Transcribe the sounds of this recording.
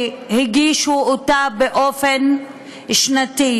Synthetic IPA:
hiɡiʃuotabeʔofen | ʃnati

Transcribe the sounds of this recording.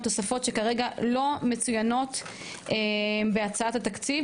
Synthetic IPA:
t̪o̞safo̞tʃe̞kaʁe̞ɡalo̞me̞t͡sujano̞t | ebeat͡saat̪at̪akt͡siv

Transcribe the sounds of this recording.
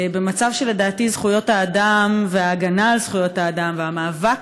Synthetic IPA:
bemat͡savʃele̞daːtizχujo̞thaːdamveaːɡanaːlz̥χujo̞taːdamveamaːvak

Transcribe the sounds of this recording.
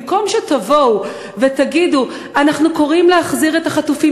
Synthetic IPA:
ko̞mʃet̪avo̞w | ve̞t̪aɡidu | anaχnuko̞ʁimlehaχziʁe̞t̪aχatufi

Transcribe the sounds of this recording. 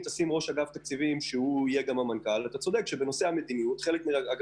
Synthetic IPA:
t̪asimʁo̞ʃaɡavt̪ak̚t͡sivimʃeuijeɡamamankalvat̪at͡so̞d̪e̞kʃebeno̞se̞hame̞d̪inijutχe̞lekmiʁaaɡ

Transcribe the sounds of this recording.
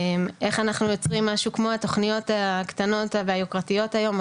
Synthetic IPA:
mʔe̞χanaχnujo̞t͡sʁimːaʃukmo̞at̪o̞χnijo̞t̪akt̪ano̞tabajokʁatijo̞thajo̞m

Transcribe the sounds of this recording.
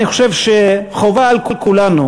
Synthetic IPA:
niχoʃevʃeχovaːlkulkulanu

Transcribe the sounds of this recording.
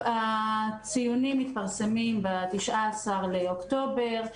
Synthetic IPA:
at͡sijunimːit̪̚paʁsemimbat̪iʃʔaːsaʁleokt̪o̞be̞ʁ

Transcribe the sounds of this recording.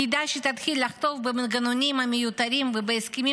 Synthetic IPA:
id̪aʃit̪ɐt̪xʲilʲaχt̪ovbɨmɡɐnonʲimɐmʲijut̪ɐɾʲimbɨbɐjskimi

